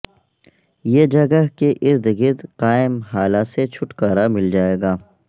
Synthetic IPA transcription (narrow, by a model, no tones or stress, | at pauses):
jeːd͡ʒɐɡaɦkeʔɪɾd̪ɪɡid̪qaːɪmɦaːlaset͡ʃʰʊʈkaːɾamɪld͡ʒaːeːɡaː